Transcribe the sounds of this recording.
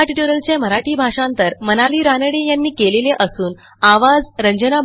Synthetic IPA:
ʈiʈuɾəlt͡ɕjaməɾaʈiːbʱaʂãnt̪əɾmənaliːɾanəɽejanːiːkeleleʔəsuːn | aʋad͡zɾəɲd͡ʑəna

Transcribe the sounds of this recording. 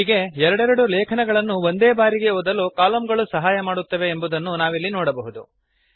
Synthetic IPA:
iːɡe̞ɛɾɐɽɛɾɐɽulɛːkʰɐnɛɡɐɭɐnːuʋo̞nd̪eːbaːɾiɡe̞oːd̪ɐlːukaːlɐmɡɐɭusɐɦaːjɐmaːɽut̪ːɐʋe̞ːmbud̪ɐnːunaːʋilːinɔːɽɐbɐɦud̪u

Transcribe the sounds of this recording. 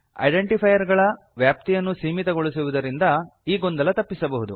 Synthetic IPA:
ɐ̰jɖe̞ɳʈipʰɐjɐɾɡɐɭɐ | ʋjaːp̚t̪ijɐnːusiːmit̪ɐɡoɭisiʋud̪ɐɾind̪ɐiːɡond̪ɐlɐt̪ɐpːisɐbɐɦud̪u

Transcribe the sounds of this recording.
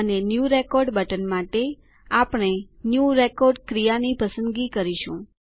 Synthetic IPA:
ənenjuɾekɔɾɖbəʈənmaʈe | apɽ̃e | njuɾekɔɾɖkɾijanipəsənɡikəɾiʃũ

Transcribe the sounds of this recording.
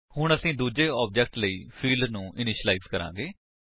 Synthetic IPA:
hʊɳ̃əsĩːd̪uːd͡ʒeːɔːp̚d͡ʒɛːk̚ʈləiːpʰiːlɖnũːʔɪnɪʃlaɪkskəɾã̰ːɡeː

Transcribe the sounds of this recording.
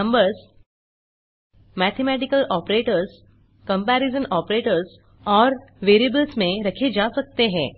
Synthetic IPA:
ə̃mbəɾz | mɛːt̪ʰemɛːʈ̬ɪkəlɔːpɾeːʈəɾz | kɐ̃mpɛːɾɪzə̃nɔːpɾeːʈəɾz | ɔːɾʋeːɾiəbəlsmẽɾɐkʰed͡ʒaːsɐk̚t̪eɦɛ̃ː

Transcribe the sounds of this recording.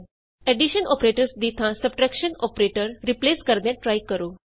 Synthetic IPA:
ɛɖiɕənɔpɾeʈəɾsd̪it̪ʰãsəb̚ʈɾɛkɕənɔpɾeʈəɾɾipleskəɾd̪jaʈːɾajkəɾo

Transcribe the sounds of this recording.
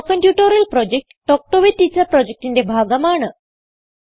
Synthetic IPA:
kəɳʈjuʈəɾəlpɾɔd͡ʑek̚ʈːɔk̚ʈoʋiʈːit͡sapɾɔd͡ʑek̚ʈind̪ebʱaɡamaɳə

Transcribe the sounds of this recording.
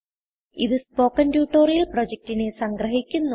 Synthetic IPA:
iðɨspo̞ːkːɐndjuːʈːoːrijɐlprod͡ʑek̚tine̞sɐŋɡrɐɦikʲːunːu

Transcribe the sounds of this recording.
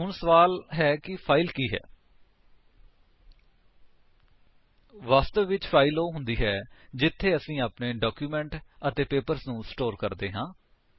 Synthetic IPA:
ɦʊɳsəʋaːlɦɛːkɪpʰaːilkiːɦɛ̰ː | ʋaːst̪əʋːɪt͡ʃpʰaːiloːɦʊnd̪iːɦɛːd͡ʒɪt̪ʰːeːəsĩːaːpneːɖaːkjuːmɛ̃ːɳʈət̪eːpeːpəɾsnũːsʈoːɾkəɾd̪eːɦãː

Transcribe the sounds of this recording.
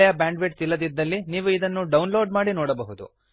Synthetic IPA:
ɛjɐbaːɳɖʋeʈt̪ilːɐd̪id̪ːɐlːiniːʋuid̪ɐnːuɖɐwnloːɖmaːɽinoːɽɐbɐɦud̪ṵ

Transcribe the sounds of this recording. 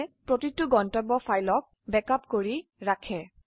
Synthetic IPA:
pɹotituɡɔntɔbɔfajlɔk̚ | bɛkapkoɹiɹakʰɛ

